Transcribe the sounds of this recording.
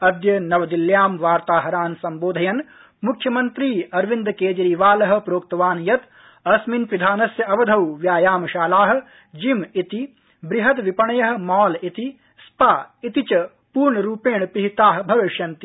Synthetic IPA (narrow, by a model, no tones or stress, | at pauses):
ɐd̪jɐnɐʋɐd̪iljaːmʋaːɾt̪aːɦɐɾaːnsɐmboːd̪ʱɐjɐn | mukʰjɐmɐnt̪ɾiːɐɾʋind̪keːd͡ʒɐɾiːʋaːlɐɦɐ̆pɾoːk̚t̪ɐʋaːnjɐt̪ | ɐsminpid̪ʱaːnɐsjɐɐʋɐd̪ʱɐwʋjaːjaːmɐʃaːlaːɦɐ̆ | d͡ʒimit̪i | bɾɪɦɐt̪ʋipɐɳɐjɐɦɐ̆mɔːlit̪i | spaːit̪it͡ʃɐ | puːɾɳɐɾuːpeːɳpiɦit̪aːɦ̆bʱɐʋɪʃjɐnt̪i̥